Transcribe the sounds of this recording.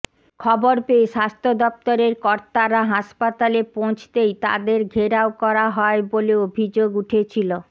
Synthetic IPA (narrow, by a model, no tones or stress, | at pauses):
kʰɔboɾpeeʃast̪ʰod̪ɔp̚t̪oɾeɾkɔɾt̪aɾaɦaʃpat̪alepot͡ɕʰt̪ejt̪a̰d̪eɾɡʱeɾaokɔɾaɦɔeboleobʱid͡ʑoɡuʈʰet͡ɕʰilo